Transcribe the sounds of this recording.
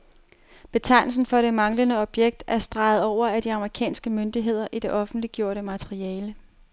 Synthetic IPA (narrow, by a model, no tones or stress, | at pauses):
b̥e̝t͡sʰɑ̈ɪ̰nl̩sn̩fɒ̽ɾ̥e̝mɑ̈ŋlənəɒ̽b̥jeɡ̥̚d̥æɐsd̥ʁɑ̈ɪð̞̩ˠɒʊ̰ɐæd̥iɑ̈məʁikʰɛ̰ːnsɡ̥əmønd̥iɦe̝ð̞̰ˠɐʔid̥e̝ʔɒ̽fn̩d̥liɡ̥jo̝ɐ̰ɾəmæt͡sʰeʁiɛːlə